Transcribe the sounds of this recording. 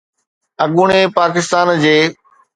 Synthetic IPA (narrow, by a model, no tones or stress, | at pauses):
ɐɠuɽ̃epaːkɪst̪aːnd͡ʑeː